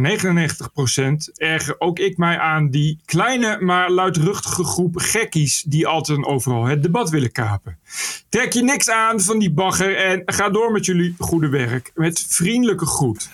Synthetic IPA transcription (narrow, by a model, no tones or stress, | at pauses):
nejχənənejχntəχprowsɛntɛɹχəɹʔowkɪkmɛjʔaːndiklɛjnəmaːɹlœɥtrɵχtə̥χəχrupχɛkisdiɑlˠtɛtənowvərɑlˠɦət̚dəbɑtʋɪləkaːpəntrɛkjənɪksaːnvɑndibɑχərɛnχaːdʊːɹmɛtjɵliχudəʋɛrkmɛtfrindələkəχrut